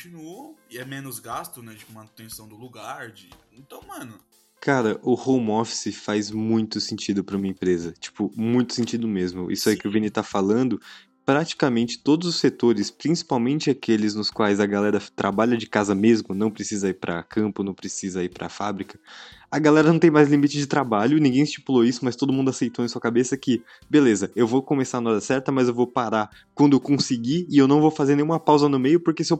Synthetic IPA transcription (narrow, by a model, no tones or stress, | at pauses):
kõt͡ʃinuɐɪɛmẽnʊzɡast̪ʊnɛt͡ʃi̥pʊmɐ̃nʊt̪ẽsɐ̃w̃d̪ʊluɡaɾd͡ʒɪ | ẽnt̪ɐ̃w̃mɐ̃nʊ | kʰaɾɐʔʊhõwmɔfi̥sɪfajzmũj̃t̪ʊsẽnt͡ʃid̪ʊpɾɐũmɐẽpɾezɐt͡ʃi̥pʊmũj̃t̪ʊ̥sẽt͡ʃid̪ʊmezmʊʔḭsʊikɪʊvenit̪afalɐ̃nd̪ʊ | pɾat͡ʃi̥kɐmẽnt͡ʃɪ̥t̪od̪ʊzʊsːet̪oɾɪspɾĩsi̥pawmẽnt͡ʃɪakelɪznʊskwajzɐɡalɛɾɐt̪ɾʔa̰baʎɐd͡ʒɪkazɐmezmʊnɐ̃w̃pɾesizɐiɾpɾɐ̰kʰɐ̃mpʊnɐ̃w̃pɾesizɐiɾpɾɐ̰fabɾikɐ̥ɐɡalɛɾɐnɐ̃w̃t̪ẽj̃majzlimit͡ʃɪd͡ʒɪt̪ɾabaʎʊnĩɡẽj̃ɪst͡ʃi̥puloisʊmɐst̪od̪ʊmũd̪ʊasejt̪owẽsuɐkabesɐkɪ | belezɐewvowkõmesaɾɐnɔd̪ɐsɛɾt̪ɐmɐzewvowpaɾa | kwɐ̃nd̪ʊewkõsɪɡiɪewnɐ̃w̃vowfazeɾnẽj̃ũmɐpawzɐnʊmejʊpoɾkesɪew